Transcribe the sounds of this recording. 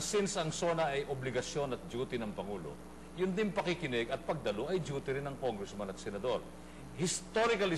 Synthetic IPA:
sɪnsɐŋso̞ːnɐʔɐjʔoblɪɡɐsjo̞nɐt̪̚d͡ʒuːt̪ɪnɐŋpɐŋuːlo̞̰ | jʊnd̪ɪnpɐkɪkɪnɛɡɐt̪̚pɐɡ̚d̪ɐloʔɐjd͡ʒuːt̪ɪɾɪnːɐŋkoŋɡɾɛsmɐnɐt̪̚sɛnɐd̪o̞ɾ | hɪst̪oɾɪkɐlɪ

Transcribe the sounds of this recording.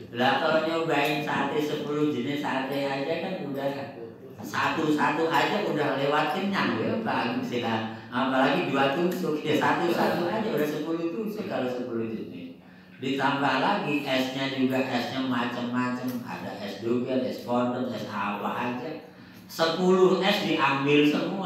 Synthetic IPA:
lak̪aloɲauɡaɪnsat̪esəpuluhd͡ʒənɪsat̪ead͡ʒakanudah | sat̪usat̪uad͡ʒaʔudahlewat̪̚kɪnɲaŋdilakaɡsilaɦanampalaɡid͡ʒuat̪usʊkjasat̪usat̪uad͡ʒaudahsəpulut̪usɪkalosəpulud͡ʒənɪ̰s | dit̪amkalaɡiʔɛsɲad͡ʒuɡaʔɛsɲamːat͡ʃəmːat͡ʃəma̰da̰ʔɛsduɡadɛspɔnd̪əmɛsa̰wa̰ʔad͡ʒa | səpulʊhʔɛsdiʔambɪlsəmu

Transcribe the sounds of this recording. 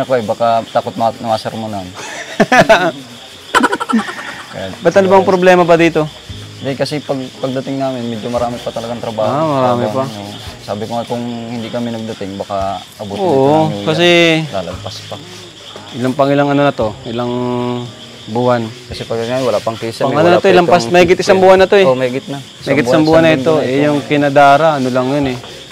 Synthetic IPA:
ɐkoɛbaːkat̪aːkot̪̚nnɐmaːsɛɾmonn | kjabɐt̪ːɐnlbaŋpɾoblɛːmɐbɐd̪iːt̪o̞ | d̪ɛkɐsɛpɐɡ̚pɐɡ̚d̪ɐt̪ɪŋnaːmɪnmɛd͡ʒomɐɾaːmɪpɐt̪ɐlɐɡaŋt̪ɾɐbaːhmɐɾaːmɪpɐnosaːbɪkoɐkʊŋhɪnd̪ikɐmɪnɐɡ̚d̪ɐt̪ɪŋbaka | ɐbuːtoːkɐs̬ɛla̰ːlɐ̰mpaspa | ʔɪlaŋpɐŋɪlaŋɐnonɐt̪o̞ʔɪlaŋ | bʊhankɐsɛpɐɡɐɡamɪwɐlapɐŋkisɐpɐŋɐnonɐt̪oɪlɐmpasmɐhiɡɪt̪ɪsaŋbuhanːɐt̪oɛmɐɡɪt̪̚nɐ | ɐiɡɪt̪ɪsaŋbuhanɐɪt̪o̞ɛjʊŋkɪnɐd̪aːɾaʔɐnolaŋjonɛ

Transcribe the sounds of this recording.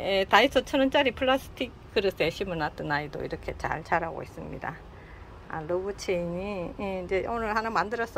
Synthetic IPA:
jetaisʰʌt͡ɕʰʌnɯnt͡ɕ͈aɾipʰɯɭːasʰɯ̥tʰikk͈ːɯɾɯs͈ʰeɕʰimɯnat͈ɯnaido̰ḭɾʌkʰe̞t͡ɕa̰ɭt͡ɕaɾaɡo̰is͈ɯmɲḭda̰ | a̰lobut͡ɕʰeiɲijeind͡ʑe̞ʔonɯɭhanɯmandɯɾʌs͈ʌ

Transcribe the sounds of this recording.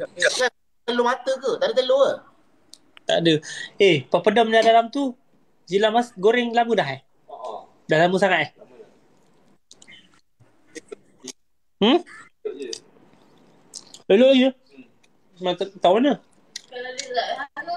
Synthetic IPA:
sasa | t̪əlomat̪əkət̪aʔdət̪əloə | t̪a̰ʔdəepəpədɔmɲadalamt̪u | zilamasɡoɾɪŋlamədaɦeh | dahlaməsaŋat̪̚ɛh | əloʔlaɡə | mat̪t̪awmanə

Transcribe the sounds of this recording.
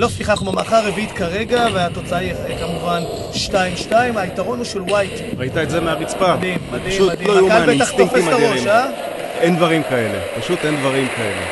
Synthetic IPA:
lo̞fiχaχmama̰χaːʁevit̪kaʁe̞ɡaveat̪o̞t͡saaekamuvan | ʃtaimʃtaimaitaʁo̞nuʃelwajt | ʁait̪aetzemeaʁit͡spad̪immad̪imuad̪iloauabet̪aχtofesaoʃa | end̪vaʁimkae̞lḛpaʃut̪end̪vaʁimkaḛlḛ

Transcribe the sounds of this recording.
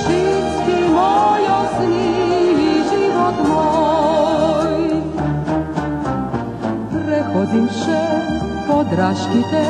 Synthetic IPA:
t͡ʃiskimɔjɔsniiʒiʋɔt̪mɔ | j | pɾɛxod̪imʃɛpɔd̪ɾaʃkit̪ɛ

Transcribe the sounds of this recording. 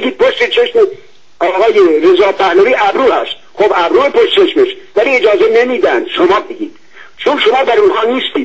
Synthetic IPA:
eɡiːd̪̚pʰoʃt̪et͡ʃʰeʃme | ɒːɣɒːjeɾezɒːpʰæhnoviːʔæbɾuːhæst̪̚xobæbɾuːepʰoʃt̪t͡ʃʰeʃmeʃvæliːed͡ʒɒːzenemiːd̪ænd̪̥ʃomɒːbeɡiːd̪̥ | t͡ʃʰonʃomɑːb̪æɾunhɒːniːst̪iːd̪

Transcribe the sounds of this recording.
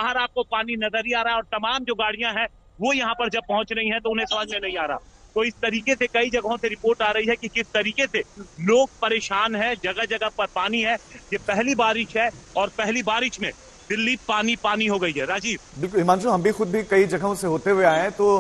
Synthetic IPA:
bɐɦəɾaːp̚kopaːninɐzəɾiaːɾɐɦaɛɔːɾt̪ɐmaːmd͡ʒoːɡaːɽ̤ijãɦɛ̃ | ʋojɐɦãpɐɾd͡ʒɐb̚pɐɦʊ̃t͡ʃɾɐɦiɦɛ̃t̪oʊnɦẽsɐmaːd͡ʒmẽnɐɦĩaːɾɐa̰t̪oɪst̪ɐɾiːkesekɐid͡ʒɐɡɦõseɾɪpoːɾʈaːɾɐɦiɦɛkikɪst̪ɐɾiːkeseloːɡ̚pɐɾeːʃaːnɦɛ̃d͡ʒɐɡəɦd͡ʒɐɡəpɐɾpaːniɦɛjeːpɛɦlibaːɾɪʃɦɛɔːɾpɛɦlibaːɾɪʃmẽ | d̪ɪlːipaːnipaːniɦoɡɐiɦɛɾaːd͡ʒiːbbɪlkʊlɪmaːnd͡ʒɦɐmbʱixʊd̪̚bʱikɐid͡ʒɐɡɦõseɦoːt̪eɦuweaːeɛ̃t̪oː

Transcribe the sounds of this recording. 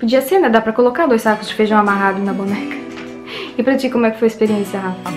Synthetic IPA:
pod͡ʒiɐseɾnɛd̪apɾɐkolokad̪ojsakʊzd͡ʒɪfeʒɐ̃w̃amaɦad̪ʊnɐbunɛkɐ̥ | ɪpɾɐt͡ʃikõmʊ̃ɛkɪ̥fojɪspeɾiẽsiɐɦa

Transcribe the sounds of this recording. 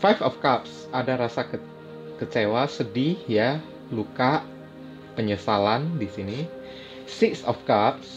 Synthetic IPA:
fajfɔfkap̚s | adaɾasa | kət͡ʃewasədihja | lukaʔ | pəɲəsalandisini | sɪksɔfkap̚s

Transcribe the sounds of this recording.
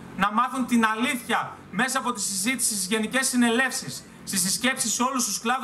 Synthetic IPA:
nɐmɐθunt̪inɐliθçɐ | me̞sɐːpo̞t̪isizit̪i̥sist̪izʝe̞nice̞sːine̞le̞fsisː | t̪isisce̞psiseo̞lust̪usklɐð

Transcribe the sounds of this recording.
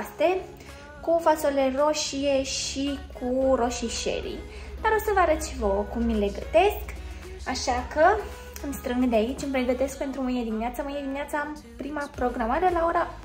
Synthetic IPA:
st̪e̞ | kufasoile̞ro̞ʃije̞ʃikʰuɾo̞ʃiʃe̞̰ɾḭ | d̪̥aɾo̞səvəaɾət̪ʃivəkumːile̞ɡə̰t̪e̞sk | aʃakə | ɨmst̪ɾɨŋɡd̪eait͡ʃʲɨmpɾe̞ɡət̪e̞sk̚pe̞nt̪ɾumuied̪imineat̪səmɨjed̪imineat̪səam | pɾimapɾo̞ɡɾamaɾe̞lao̞ɾa

